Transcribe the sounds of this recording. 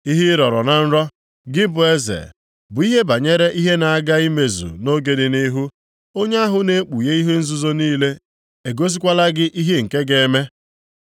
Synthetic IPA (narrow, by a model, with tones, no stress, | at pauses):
i˦ɦi˦ɾɔ˨ɾɔ˨na˨n̩˦ɾɔ˦ | ɡɪ˦bʊ˨e˦zḛ˨ | bʊ˨i˦ɦe˦ba˨ɲe˦ɾe˦ʔi˦ɦe˦na˨a˦ɡa˦i˦me˨zṵ˨no˦ɡe˨dɪ˨ni˦ɦu˦ | o˦ɲe˦a˦ɦʊ˨ne˦k͡pu˨je˦i˦ɦe˦n̩˦zu˦zo˦niː˦le˦ | e˨ɡo˦s̬i˦kʷa˦la˦ɡɪ˦ʔi˦ɦe˦ŋ̩˨ke˦ɡe˨˦me˦